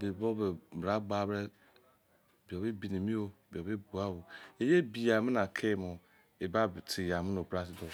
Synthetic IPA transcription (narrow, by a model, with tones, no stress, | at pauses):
bi˨bo˦be˨bɾa˦ɡ͡ba˨˦bɾe˦˨ | bi˨o˨bi˦bi˨ni˨mi˦o˦˨bi˨o˨be˦bu˨a˦wu˨e˨je˦bi˨ja˨mi˦na˨kʰe˦˨mo˨ | e˨ba˦˨ti˨ja˨mi˦no˨bɾa˦si˨do˨